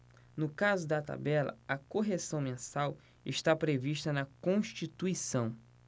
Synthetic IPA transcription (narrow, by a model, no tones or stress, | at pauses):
nʊkazʊd̪ɐt̪a̰bɛlɐ̰ɐkoɦesɐ̃w̃mẽsaw | ɪ̰ʃt̪apɾeviʃt̪ɐnɐkõʃt͡ʃit̪uisɐ̃w̃